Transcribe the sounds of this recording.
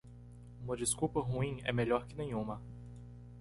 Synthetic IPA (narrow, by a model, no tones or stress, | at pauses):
ũmɐd͡ʒɪskupɐɦuĩɛ̰meʎɔɾkɪnẽj̃ũmɐ